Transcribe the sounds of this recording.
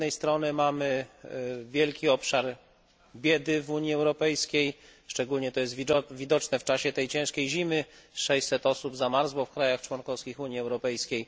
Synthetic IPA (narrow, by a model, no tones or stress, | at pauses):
ɛjst̪ɾɔnɘmamɘ | vʲjɛlkʲiɔpʂaɾ | bʲjɛd̪ɘvuɲjiɛwɾɔpɛjskʲejʂt͡ʂɛɡulɲɛt̪ɔjɛsvʲid̪ɔt͡ʂnɛft͡ʂaɕɛt̪ɛjt͡ɕɛ̃w̃ʂkʲejʑimɘʂɛjsɛt̪ɔsubzamaɾzwɔfkɾajaxt͡ʂwɔnkɔfskʲixuɲiɛwɾɔpɛjskʲej